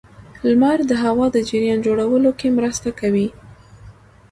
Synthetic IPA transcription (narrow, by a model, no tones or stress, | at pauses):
lmaɾd̪əɦawɑd̪əd͡ʒɪɾjɑnd͡ʒoɽawəlokemɾəst̪akawi